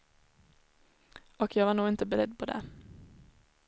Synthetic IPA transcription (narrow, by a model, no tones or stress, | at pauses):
ɔkjɑːɡvaɳuːɡɪnt̪əbɛɾɛd̪ːpʰɔd̪ɛ̰